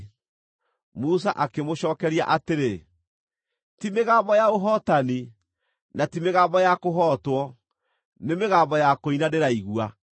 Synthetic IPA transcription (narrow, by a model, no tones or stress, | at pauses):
mus̬aʔakemoɕɔːkɛɾia̰ʔateɾe | timeɣaːmbɔjaoɦɔtani | natimeɣaːmbɔjakoɦɔtwɔ | nemeɣaːmbɔjakoinaneɾaiɣua